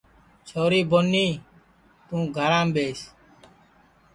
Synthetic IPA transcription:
t͡ʃʰoːɾiːbonːiː | t̪ũːɡʱəɾãːmbeːs

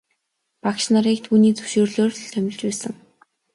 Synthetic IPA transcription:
pakʃnaɾiːk̚t̪ʰuːniːt͡sɵ̥wʃoːrɮoːrt̪ʰœmʲɪ̆ɮt͡ɕpæːsə̆ŋ

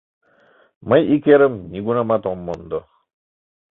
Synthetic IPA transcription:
mɐjikeɾɯmnʲiɡunamat̪ɔmːɔnd̪ɔ

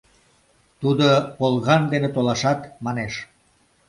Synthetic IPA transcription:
t̪ud̪opolˠɣɑnd̪enet̪olɑʃɑt̪mɑneʃ

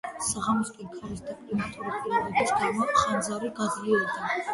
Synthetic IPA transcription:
saʁamɔskʼinkʰaɾisd̪apʼlimat̪ʼuɾipʼiɾɔvɔbisɡaɾmaχand̪zaɾiɡazliɔbd̪a

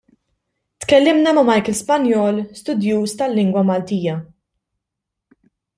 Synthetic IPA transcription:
t̪kɛlːɪmnɐmɐmɐjkɪlspɐnjɔːlst̪ʊd̪juːst̪ɐlːɪŋɡwɐmɐlt̪iːjɐ

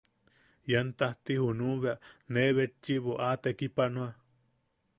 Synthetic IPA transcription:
jant̪aht̪ihunũβeaʔneβet͡ʃːiβoʔat̪ekipanua

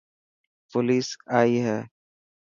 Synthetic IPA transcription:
pʊliːsaːiɦɛː

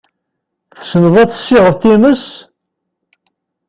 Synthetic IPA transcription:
θəsənəðˤæt͡sːə̥sːɪʁəðθiməs

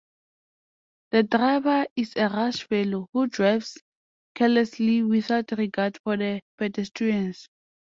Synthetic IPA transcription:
ð̥ədɹavəisɛɹaʃfɛlohudɹajfs | kʰɛlɛsliwiθaʊtɹiɡadfɔðəpɛdɛstʰɹiɛ̃ns

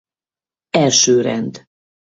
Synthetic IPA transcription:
ɛlʃøːɾɛ̰nd̪

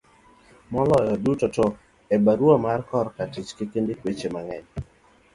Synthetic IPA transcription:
mɔlɔjɔdutɔto | ebaɾwamarkɔɾkatit͡ʃkekendekwet͡ʃemaŋɛɲ

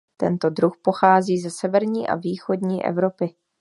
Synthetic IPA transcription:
t̪ɛ̰nt̪o̞dɾuxpo̞xaːziːzɛsɛvɛɾɲiːʔa̰viːxo̞dɲiːʔɛ̰vɾo̞pɪ

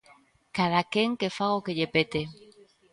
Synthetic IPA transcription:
kaðakeŋkefaɣokeʎepet̪e

